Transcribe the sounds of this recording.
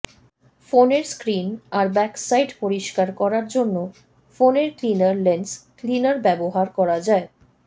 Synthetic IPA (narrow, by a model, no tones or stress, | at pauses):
foneɾskɾinaɾbɛksajɖpoɾiʃkaɾkɔɾaɾd͡ʑonːo | foneɾklinaɾlensklinaɾbɛboɦaɾkɔɾad͡ʑae